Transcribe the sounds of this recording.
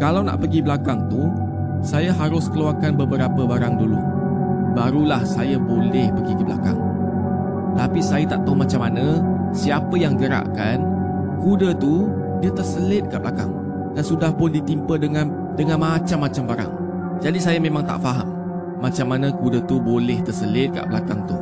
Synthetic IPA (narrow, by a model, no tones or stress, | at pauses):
kalawna̰ʔpəɡiblakaŋt̪u | sajaɦaɾʊskəluarkanbəbəɾapəbaɾaŋdulṵ | baɾulahsajabolɛhpəɡikəbla̰ka̰ŋ | ət̪apisajat̪aʔt̪aumat͡ʃamːanə̃ | siapəjaŋɡəɾa̰ʔkan | kudət̪u | diat̪ərsəlɪt̪̚kaʔbəlʔaka̰ŋ | dansudahpʊndit̪impə | dəŋanmat͡ʃamːat͡ʃambaɾa̰ŋ | d͡ʒadisajamẽmaŋt̪a̰ʔfaɦa̰ʔ | mat͡ʃamːanãkudət̪ubolɛht̪ərsəlɪt̪̚ka̰ʔbəlakaŋt̪uh